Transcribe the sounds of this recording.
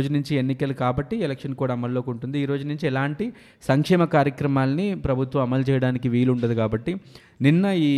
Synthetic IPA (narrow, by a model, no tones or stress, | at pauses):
d͡ʒunuɲt͡ʃie̞nːikɐlukaːbɐʈːielekʂɐnkuːɽaːɐmɐlːoːkuɳʈund̪iːɾo̞ːd͡ʒunuɲt͡ʃiɛlaːɳʈi | sɐŋkʂɛːmɐkaːɾjɐkɾɐmaːlɐnipɾɐbʱut̪ʋɐmɐmɐlt͡ʃɛːjɐɽaːnikiʋiːluɳɖɐd̪ikaːbɐʈːi | ninːɐiː